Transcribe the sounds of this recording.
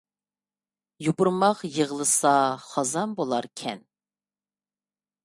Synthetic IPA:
jupʊɾmɑqjəʁlˠəsɑχɑzɑnbolˠɑɾkʲʰɛ̰n

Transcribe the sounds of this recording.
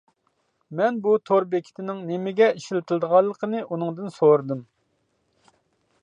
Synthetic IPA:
mɛnbut̪ʰoɾbekʲʰi̥t̪ʰɪnɪŋnemɪɡʲɛiʃilɪt̪ʰɨlˠd̪əʁɑlˠːəqʰənɨʔunɨŋd̪ɨnsoɾd̪ɨm

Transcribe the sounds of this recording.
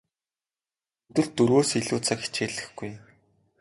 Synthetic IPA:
ɵt̪ɘ̆ɮt̪ːɵɾwoːsiɮuːt͡sʰakxi̥t͡ɕeːɮɘ̆xɡ̥uj

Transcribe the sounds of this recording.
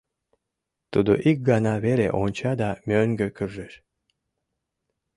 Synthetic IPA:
t̪ud̪ṵʔik̚ɡɑnaveɾḛʔont͡ʃad̪amʲøŋɡøkʰyrːeɾ

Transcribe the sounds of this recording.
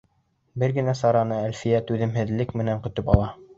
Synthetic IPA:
bɘɾɡɘ̆næsɑɾɑnɤælfijæt̪ʉðɘ̆mɦɘ̆ðlɘkmɘ̆næŋkɵ̆t̪ɵpɑ̰lˠɑ

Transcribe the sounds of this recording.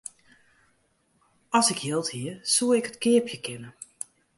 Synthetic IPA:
ɔsɪkjɪlˠthiəsuəɪkɦətkɪəpjəkʰɪnə

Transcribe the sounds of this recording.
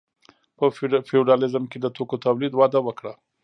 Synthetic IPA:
pəfeɖɑlɪzəmked̪ət̪okot̪awlid̪wɑd̪awəkɽa

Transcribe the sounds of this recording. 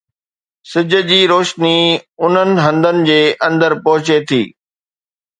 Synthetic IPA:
sɪd͡ʑʱə̆d͡ʑiːɾoːʃniʊn̤ənɪ̆ɦɐ̃nd̪ənɪ̆d͡ʑeːʔɐ̃nd̪əɾpɐɦʊt͡ɕet̪ʰḭː

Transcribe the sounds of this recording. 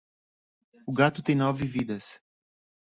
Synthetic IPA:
ʊɡat̪ʊt̪ẽj̃nɔvɪvid̪ɐs

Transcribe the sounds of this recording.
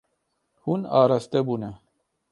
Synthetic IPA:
hunɑːɾast̪ɛbuːnɛ

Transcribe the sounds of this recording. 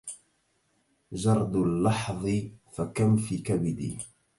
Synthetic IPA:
d͡ʒɑɾˤd̪lːɑħðˤɨfakamfiːkabɪd̪ḭː

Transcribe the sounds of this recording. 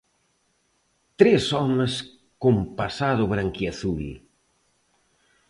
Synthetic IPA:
t̪ɾesɔmes | kompasaðʊβɾaŋkiaθul

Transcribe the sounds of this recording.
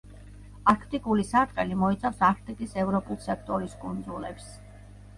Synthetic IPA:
aɾkʰt̪ʼikʼulisaɾt̪ʼqʼɛlimɔit̪sʰafsaɾkʰt̪ʼikʼisɛvɾɔpʼulˠsɛkʰt̪ʼɔɾiskʼund̪zulɛps

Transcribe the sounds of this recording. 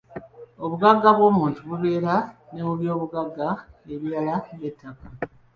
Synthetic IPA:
oβuɡaɡːaβwo̞ːmuːntuβuβe̞ːɾaneuβjo̞ːβuɡaɡːaeβiɾalaβe̞tːaka

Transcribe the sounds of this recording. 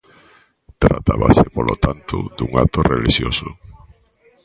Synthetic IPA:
t̪ɾat̪aβasepolot̪ant̪ʊd̪uŋat̪oreliʃjosʊ

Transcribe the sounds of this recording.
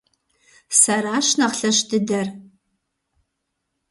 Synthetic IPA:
sɐɾaːʃnɐχɬɐɕdɨdɐr

